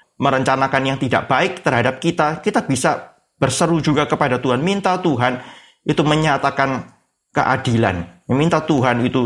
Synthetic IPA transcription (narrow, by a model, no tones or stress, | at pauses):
məɾəɲt͡ʃanakanjaŋt̪ida̰ʔb̥aɪk̚t̪ərɦadap̚kit̪akit̪abisa | b̥ərsəɾud͡ʒuɡakəpadat̪uɦanmint̪at̪uɦan | ʔit̪uməɲat̪akan | kə̰ʔa̰dila̰njmint̪at̪uɦanit̪u